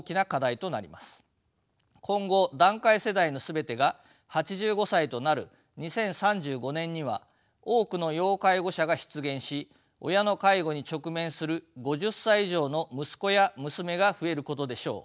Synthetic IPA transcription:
kʲinakad̪ait̪o̞naɾʲḭmasɨ̥ | kʰõ̞ŋɡo̞d̪ãŋkaise̞d̪aino̞sɨbe̞t̪e̞ɡa | hat͡ɕiʑɨːɡo̞sait̪o̞naɾɯ̟̰ | ɲ̟isẽ̞ɰ̃sãɲd͡ʑɨːɡo̞nẽ̞ɲ̟ːiβa̰ | o̞ːkɯ̟no̞jo̞ːkaiɡo̞ɕaɡaɕi̥t͡sɨɡẽ̞ɰ̃ɕi | o̞̰jano̞kaiɡo̞ɲ̟it͡ɕo̞kɯ̟mẽ̞ɰ̃sɨɾɯ̟ɡo̞ʑɨsːaiiʑo̞ːno̞mɯ̟sɨ̥ko̞jamɯ̟sɨme̞ɡaɸɯ̟e̞ɾɯ̟ko̞t̪o̞d̪e̞ɕo̞̰ː

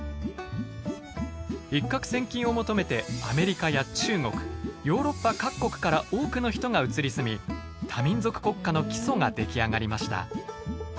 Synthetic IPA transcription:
ikːakɯ̟̥sẽ̞ŋkʲĩɰ̃o̞mo̞t̪o̞me̞t̪e̞ame̞ɾʲikajat͡ɕɨːŋo̞kɯ̟̥jo̞ːɾo̞pːakakːo̞kɯ̟̥kaɾao̞ːkɯ̟no̞çi̥t̪o̞ŋaɯ̟t͡sɨɾʲisɨmʲi | t̪ʰamʲĩnzo̞kɯ̟̥ko̞kːano̞kʲi̥so̞ŋad̪e̞kʲiaŋaɾʲimaɕi̥t̪a̰

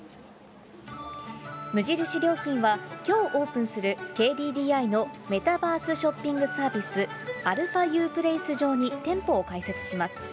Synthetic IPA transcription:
mɯ̟ʑiɾɯ̟ɕiɾʲjo̞ːçĩɰ̃βakʲo̞ːʔo̞ːpɯ̃ɰ̃sɨɾɯ̟kʲe̞ːd̪ʲiːd̪ʲiːaino̞me̞t̪abaːsɨɕo̞pʲːĩŋɡɯ̟saːbʲisɨ | aɾɯ̟ɸajɯːpɯ̟ɾeisɨʑo̞ːɲ̟it̪ẽ̞mpo̞ːkaise̞t͡sɨ̥ɕimasɨ̥

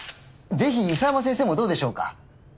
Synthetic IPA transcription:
d͡ze̞çiisamas̬ẽs̬e̞ːmo̞d̪o̞ːd̪eɕo̞ːka̰

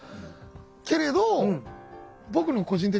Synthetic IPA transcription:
ke̞ɾe̞d̪o̞ | bo̞kɯ̟noko̞ʑĩnt̪̬e

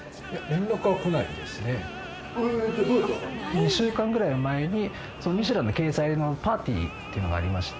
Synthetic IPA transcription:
jamẽnd̪okɯβakonaḭd̪esɨne̞ | ɲ̟iɕɨːkãŋɡɯɾainomae̞ɲ̟i | so̞noɲ̟iɕ̬iɾãnːo̞ke̞ːsaino̞paːt̪ʲḭːt̪ːejiɯ̟no̞ɡa̰ːɾʲimaɕi̥t̪

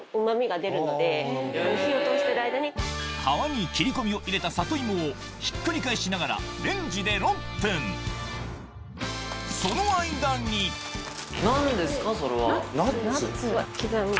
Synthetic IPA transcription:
omamʲiɡad̪e̞ɾɯ̟no̞d̪e̞çiot̪oːɕi̥t̪e̞ɾɯaijd̪aɲ̟ihaβaɲ̟ikʲiɾʲiko̞mʲio̞ʔiɾe̞t̪asat̪o̞imoː | çi̥kːɯ̟ɾʲikaiɕinaɡaɾa̰ɾẽ̞ɲ̟d͡ʑid̪e̞ɾõ̞mpẽ̞n | so̞no̞aid̪ãɲ̟ːi | nãnd̪e̞sɨ̥kasoɾeβna | kʲizã

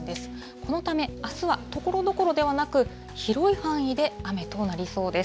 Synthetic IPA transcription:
d̪e̞sɨ̥ | ko̞no̞t̪ame̞asɨβat̪o̞ko̞ɾo̞d̪o̞ko̞ɾo̞d̪e̞βanakɯ̟ | çiɾo̞iɸãɰ̃id̪e̞ame̞t̪o̞naɾʲiso̞ːd̪e̞s

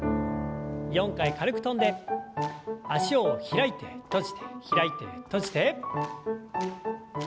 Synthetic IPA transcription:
jõ̞ŋkaikaɾɯ̟kɯ̟̥t̪õ̞nd̪e̞ | aɕioçiɾait̪e̞t̪o̞ʑi̥t̪ʰe̥çiɾait̪e̞̰t̪o̞ʑi̥t̪e̞

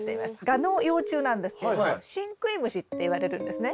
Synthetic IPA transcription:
t̪eiasɨ̥ɡano̞ːjo̞ːt͡ɕɨːnãnd̪e̞sɨ̥kedoɕĩŋkɯ̟ɾʲimɯ̟ɕit̪ːe̞iβaɾe̞ɾɯ̟̃nd̪e̞sɨne

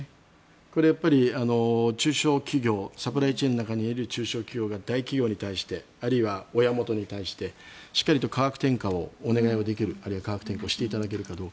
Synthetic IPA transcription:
ko̞ɾe̞japːaɾʲiano̞t͡ɕɨːɕo̞ːkʲiɡʲo̞ːsapɯ̟ɾait͡ɕinonakaɲ̟iiɾɯ̟t͡ɕɨːɕo̞ːkʲiɡʲo̞ːɡad̪aikʲiɡʲoːɲ̟it̪aiɕi̥t̪e̞ | aɾɯiβao̞jamo̞t̪o̞ɲ̟it̪aiɕi̥t̪e̞ɕi̥kːaɾit̪o̞kʰaɡakɯ̟̥t̪ẽ̞ŋkao̞ːne̞ɡaiod̪e̞k̬ʲiɾɯ̟aɾɯ̟iβakaɡakɯ̟t̪e̞ŋkaoɕi̥t̪e̞it̪ad̪ak̬e̞ɾɯ̟kad̪o̞ːk

